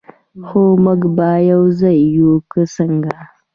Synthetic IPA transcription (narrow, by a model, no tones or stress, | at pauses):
xomʊɡbajawzajːukəsəŋɡa